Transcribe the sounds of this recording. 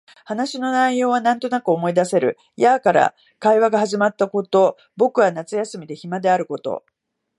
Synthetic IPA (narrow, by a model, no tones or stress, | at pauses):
hanaɕino̞naijo̞ːβ̞anãnt̪o̞nakɯ̟o̞mo̞id̪ase̞ɾɯ̟̰ | jakaɾa̰ | kaiβaɡahaʑimat̪ːako̞t̪o̞ | bo̞kɯ̟βanat͡sɨjasɨmʲid̪e̞çimad̪e̞aɾɯ̟ko̞t̪o̞̰